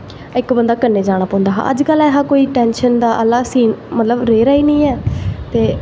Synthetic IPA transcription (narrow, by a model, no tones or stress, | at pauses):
ɪkbənd̪aːkənːeːd͡ʒaːɽ̃aːpɔ̃ːnd̪aːɦa̰ːə̰d͡ʒkəlɛːɦaːkoːiːʈɛːnʃənd̪aːʔəlaːsĩːmət̪ləbɾeːɾəiːnĩːɛːt̪eː